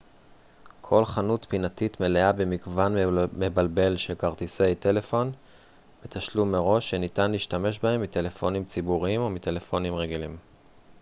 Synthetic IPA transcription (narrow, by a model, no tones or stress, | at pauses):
kʰo̞lχanut̪pinatitme̞leabemiɡvanme̞balbe̞lʃe̞lkaʁt̪ise̞jte̞le̞fo̞n | met̪aʃlumːeʁo̞ʃːenitanliːʃtame̞ʃbahe̞mːite̞le̞fo̞nimt͡sibuʁiimo̞mit̪e̞le̞fo̞nimʁeɡilim